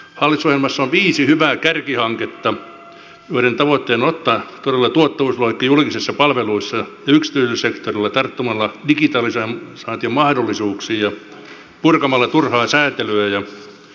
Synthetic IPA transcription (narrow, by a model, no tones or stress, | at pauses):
hɑlːit̪sohjelmɑsːoʋʋiːsihyʋæːkærkihɑŋket̪ːɑ | joiɾent̪ɑʋot̪ːeːnot̪ːɑt̪oɾelːɑt̪uot̪ːɑʋusloikːijulkisisːɑpɑlʋeluisːɑjɑyksi̥t̪yˑsysekt̪orilːɑt̪ɑrt̪ːumɑlːɑdikit̪ɑːlisɑmsɑːt̪iɑmmɑhdolːˑisuːksiːjɑ | purkɑmɑlːɑt̪urhɑːsæːt̪elyæjɑ